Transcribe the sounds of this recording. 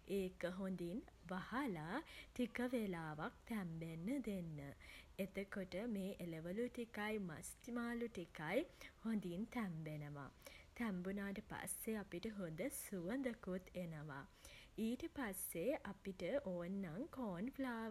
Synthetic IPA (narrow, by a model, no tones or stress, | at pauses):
eːkəɦond̪inʋahalatikəʋelaːʋak̚t̪æmbenːəd̪enːəet̪əkoʈəmeːʔeleʋəluʈikajma̰st̪imaːluʈikajhond̪int̪ɛmbenəʋa̰t̪æmbunaːʈəpa̰sːeapiʈəɦond̪əsuʋənd̪əkut̪ʰenəʋa̰iːʈəpasːeʔapiʈəʔoːnːaŋkoːnflaː